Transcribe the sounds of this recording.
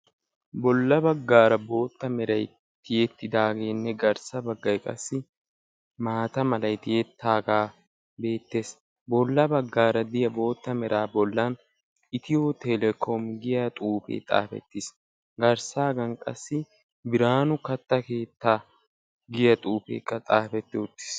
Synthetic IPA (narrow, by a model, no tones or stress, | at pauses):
bɔlːɐbɐɡːaːɾɐbo̞ːt̪ːɐmɛɾɐj | t̪ɪjɛt̪ːɪd̪aːɡeːnːɛɡɐɾsɐbɐɡːɐjkʼɐ̰sːɪ | maːt̪ɐmɐlɐjt̪ɪjɛt̪ʰːaːɡaː | be̞ːt̪ːe̞ːs | bɔlːɐbɐɡːaːɾɐd̪ɪjɐbo̞ːt̪ːɐmɛɾaːbɔlːɐn | ɪt̪ɪjoːt̪ʰɛlɛkʰomɡɪjat̪ʼuːfḛːt̪ʼa̰ːfɛ̰t̪ːɪs | ɡɐɾsaːɡɐnkʼɐ̰sːɪ | bɪɾaːnʊkɐt̪ːɐkeːt̪ːaː | ɡɪjɐt̪ʼuːfḛːkʼːɐt̪ʼaːfɛt̪ːɪʊt̪ːɪ̥s